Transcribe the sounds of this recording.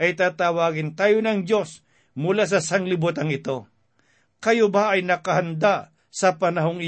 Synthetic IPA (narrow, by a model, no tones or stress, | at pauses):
ʔɐjt̪aːt̪awaːɡɪnt̪aːjonɐŋd͡ʒo̞s | mʊlas̬ɐsɐŋlɪbut̪ɐŋɪt̪o̞ | kɐjobaɐjnɐkɐɦɐnd̪a | sɐpɐnɐɦo̞ŋɪ